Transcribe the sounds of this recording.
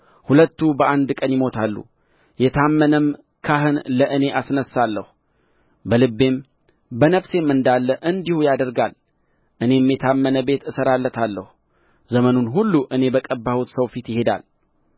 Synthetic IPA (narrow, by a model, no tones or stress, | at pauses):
hulət̪ːubəʔand̪kʼənjɪmo̞t̪ʰalːṵ | jɛt̪ʰamːənəm | kʰaɦɨnləʔɨne̞ʔasnəsːalːəhu | bəlɨbːe̞m | bənəfse̞mːɨnd̪alːəʔɨnd̪ihujad̪əɾɡal | ʔɨne̞ɛmːjɛt̪ʰamːənəbe̞t̪ɨsəɾalːət̪ʰalːəhu | zəmənunɦulːuʔɨne̞bəkʼəbːahut̪səwfit̪jɪhe̞d̪a̰l